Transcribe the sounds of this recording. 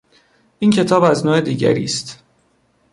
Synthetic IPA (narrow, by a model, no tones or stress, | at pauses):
ʔiːncʰe̞t̪ʰɒːbæznoːe̞d̪iːɟæ̰ɾḭːst̪